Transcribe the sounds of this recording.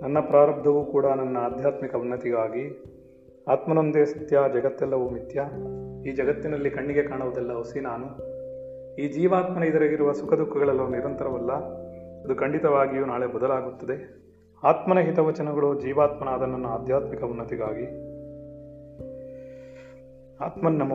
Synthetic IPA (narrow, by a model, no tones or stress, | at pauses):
nɐnːɐpɾaːɾɐb̚d̪ʱɐʋukuːɽɐnɐnːɐːd̪ʱjaːt̪mikɐunːɐt̪iɡaːɡi | aːt̪mɐnond̪esɐt̪jaːd͡ʒɐɡɐt̪ːɛlːɐʋumit̪jɐiːd͡ʒɐɡɐt̪ːinɐlːikɐɳːiɡe̞kaːɳɐʋɐd̪ɐlːɐɦusinaːnu | iːd͡ʒiːʋaːt̪mɐnɐid̪ɐɾɐɡiɾuʋɐsukʰɐd̪ukːɐɡɐɭɐlːoːniɾɐnt̪ɐɾɐʋɐlːɐ | ɐd̪ukɐɳɖit̪ɐʋaːɡijuːnaːɭebɔd̪ɐlaːɡut̪ːɐd̪e̞ | aːt̪mɐnɐɦit̪ɐʋɐt͡ʃɐnɐɡɐɭoːd͡ʒiːʋaːt̪mɐnaːd̪ɐnːɐnːɐaːd̪ʱjaːt̪mikɐunːɐt̪iɡaːɡi | a̰ːt̪mɐnːɐmɐ